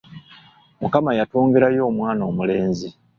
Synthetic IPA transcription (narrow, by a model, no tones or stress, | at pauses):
mukamajatuːŋɡeɾajo̞ːmwaːno̞ːmule̞ːnzi